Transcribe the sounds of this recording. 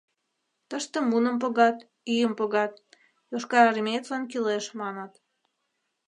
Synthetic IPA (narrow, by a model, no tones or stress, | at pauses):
t̪əʃt̪ə̆munə̆mp̬ŏɣɑt̪ | yjəmpoɣɑt̪̚ | joʃkɑɾɑrmʲet̪lɑnkileʃmɑnət̪